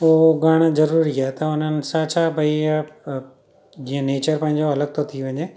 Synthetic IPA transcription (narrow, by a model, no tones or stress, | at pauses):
oɦoɡaːɽ̃zɐɾuːɾiaːɦet̪ɐʊn̤ənɪ̆sãt͡ɕʰaːbʱɐia | d͡ʑĩːə̃neːt͡ɕəɾpɐ̃ɦɪ̃ɲd͡ʑoɐləɡ̚t̪ʰot̪ʰiʋɐ̃ɲe